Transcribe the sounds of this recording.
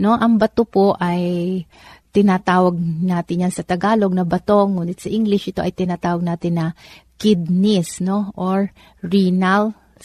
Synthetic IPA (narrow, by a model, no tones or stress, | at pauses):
no̞ʔɐŋbɐt̪opoʔɐj | t̪ɪnat̪aːwɐɡ̚naːt̪ɪnjansɐt̪ɐɡaːlo̞ɡ̚nɐbɐt̪o̞ŋːuːnɪt̪sɐʔiŋɡlɪʃʔɪt̪o̞ʔɐjt̪ɪnat̪aːwɐɡ̚naːt̪ɪnːɐkɪd̪̚nɪsno̞ʔoɹ | ɹinal